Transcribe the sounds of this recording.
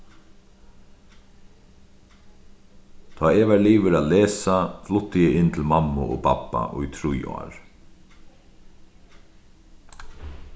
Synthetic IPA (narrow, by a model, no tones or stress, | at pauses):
t̪ʰɑːɛʋɛɹliːʋɪɾaːleːsaflʊt̪ːɪjɛɪnt̪ʰɪlmamːʊʔo̰ːpʰapːa̰ʔʊ̰jt̪ʰɾujɔ̰ːɹ